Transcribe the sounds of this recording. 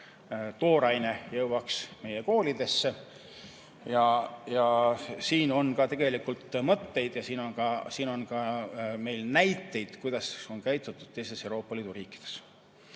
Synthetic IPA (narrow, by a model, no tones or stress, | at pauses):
t̪o̞ːɾɑjne̞jɤwwɑksme̞jeko̞ːlid̪̥e̞sːe | jɑjɑsiːno̞nkɑt̪e̞ɡ̥e̞likult̪mɤt̪ːe̞jd̪̥jɑsiːno̞nkɑsiːno̞nkɑme̞jlnæjt̪ːˑe̞jd̪̥kujd̪̥ɑso̞nkæjt̪ːˑut̪ːˑud̥̪̚t̪e̞jst̪e̞sewɾo̞ːpːˑɑliːd̪̥uɾiːkːˑi̥d̪̥e̞̥s